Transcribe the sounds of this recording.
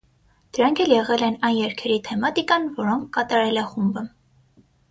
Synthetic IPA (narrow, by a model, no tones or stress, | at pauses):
d̪̥əɾɑŋkʰɛljɛʁɛlɛnɑjnjɛɾkʰɛɾit̪ʰɛmɑt̪ikɑnvɔɾɔŋkʰːɑt̪ɑɾɛlɛχumbə